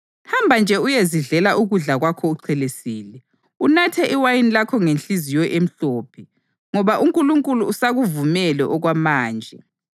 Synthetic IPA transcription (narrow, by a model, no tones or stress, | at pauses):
hambʱand͡ʒʱɛujeziɮɛlaʔuɣuɮaɣwakʰɔuǀʰɛlesiːlɛ | unatʰɛʔiwajinilakʰɔŋent͡ɬizijɔʔem̩ɬoːpʰɛ | ŋɔβaʔuŋkʼuluŋkʼuluːsaɣuvumɛlɛʔɔɣwamaːnd͡ʒʱɛ